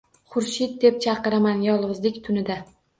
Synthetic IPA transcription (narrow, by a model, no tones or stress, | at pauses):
χʊɾʃɪd̪̚d̪e̞p̚t͡ʃʰɑqɨɾamanjɒlˠʁɨzlɪkʲt̪ʰʊnɪd̪a